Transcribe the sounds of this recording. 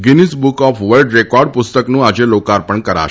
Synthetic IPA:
ɡinisbukɔfʋəlɖɾekɔɾɖ̚pʊst̪əknũad͡ʒelokaɾpəɳkəɾa̰

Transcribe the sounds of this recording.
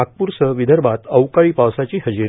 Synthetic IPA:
ak̚puɾsəʋid̪ʱəɾbat̪əwkaɭiːpaʋsat͡ɕiːɦəd͡ʑiɾ

